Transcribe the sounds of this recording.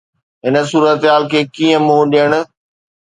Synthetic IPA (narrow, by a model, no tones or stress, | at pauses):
ɦɪnə̆suːɾət̪ɦaːlkʰeːkiːə̃mũɗijəɽ̃̆